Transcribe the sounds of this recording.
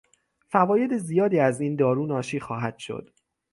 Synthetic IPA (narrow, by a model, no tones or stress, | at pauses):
fævɒːje̞d̪ezijɒːd̪iːæziːnd̪ɒːɾuːnɒːʃiːxɒːɦæd̪̥ʃo̰d̪̥